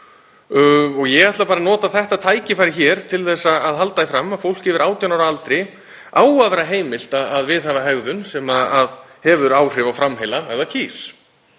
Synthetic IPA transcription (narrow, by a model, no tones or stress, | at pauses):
ɔɣjɛɣat̪lapaːɾanɔːt̪aθɛht̪at̪ʰaːjcɪfajɾɪçɛːɾ̥t̪ʰɪlθɛsːaaðɦalt̪ajfɾamːaðfowl̥cɪvɪɾaːwt̪ʏnawɾalt̪ɾɪ | a̰ːwaðvɛɾaɦeːjmɪl̥t̪aðaðvɪðɦavaɦɛɣðʏnsɛmaaðhɛvʏɾaːwr̥ɪvawfɾamhejlaɛ̰ðacʰiːs